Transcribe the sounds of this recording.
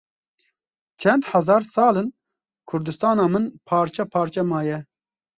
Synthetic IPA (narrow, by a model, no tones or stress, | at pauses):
t͡ʃʰɛnd̪ħazɑːɾsɑːlɨn | kʰʊɾd̪ɨst̪ɑːnɑːmɨnpʰɑːɾt͡ʃɛpʰɑːɾt͡ʃɛmɑːjɛ